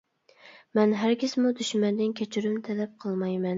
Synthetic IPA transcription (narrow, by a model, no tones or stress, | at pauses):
mɛnɦæɾkʲɪsmud̪yʃmɛnd̪ɪnkʲʰɛt͡ʃʰyɾymt̪ʰɛlɛp̚qʰəlˠmɑjmɛn